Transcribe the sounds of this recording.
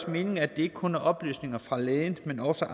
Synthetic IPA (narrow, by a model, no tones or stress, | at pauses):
sme̝ːne̝ŋæd̥e̝e̝ɡ̥kʰo̽næɐʔɒ̽b̥ly̰ːsne̝ŋɐfʁɑ̈leðnmenɒsɒʔ